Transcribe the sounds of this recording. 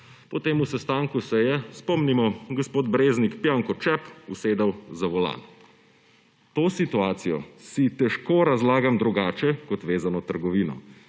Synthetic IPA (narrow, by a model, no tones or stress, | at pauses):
pɔt̪eːmusɛst̪aːŋkusɛjɛspɔmnimɔɡɔspoːd̪bɾeːznikpjaːŋkɔt͡ʃɛpuseːd̪awzaʋɔla̰ːn | t̪oːsit̪uaːt̪sijɔ̰sit̪ɛʃkoɾazlaːɡamd̪ɾuɡaːt͡ʃɛkɔt̪ʋeːzanɔt̪əɾɡɔʋiːnɔ̰